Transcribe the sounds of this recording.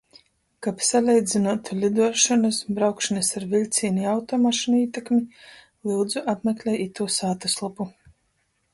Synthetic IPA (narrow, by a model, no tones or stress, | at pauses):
kapsalʲɛjd̪zinuɔt̪ʰulʲid̪uɔʃɔnɨsbɾawkʃnɨsaɾvilʲt̪sʲiːniawt̪ɔmaʃiniːt̪ɛkmi | lˠiwd̪zuʔapmʲɛklʲɛjit̪uɔsaːt̪aslˠapu